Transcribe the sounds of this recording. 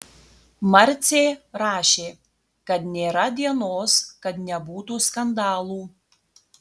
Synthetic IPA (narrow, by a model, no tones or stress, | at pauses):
mɐɾʲt̪sʲeːɾɑːʃʲeː | kɐt̪nʲeːɾɐd̪ʲiɛnoːskɐt̪nʲɛbuːt̪uːskɐnd̪ɑːlˠuː